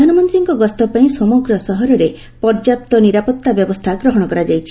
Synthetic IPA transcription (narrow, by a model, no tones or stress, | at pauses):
anɔmɔnt̪ɾiŋkɔɡɔst̪ɔpaĩsɔmɔɡɾɔsɔɦɔɾɔɾe | pɔɾd͡ʒap̚t̪ɔniɾapɔt̪ːabjɔbɔst̪ʰaɡɾɔɦɔɽ̃ɔkɔɾad͡ʒajt͡ʃʰi